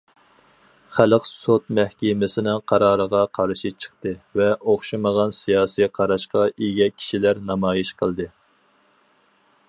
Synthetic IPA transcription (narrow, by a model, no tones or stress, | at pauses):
χæləqsot̪̚mæhkʲemɪsɪnɪŋqʰɑɾɑːɾəʁɑqʰɑɾʃit͡ʃʰə̥χt̪ɨvɛʔoχʃɨməʁɑnsijɑːsijqʰɑɾɑʃqɑeɡʲɛkʲʰi̥ʃilæɾnɑmɑːjiʃqʰəlˠd̪ɨ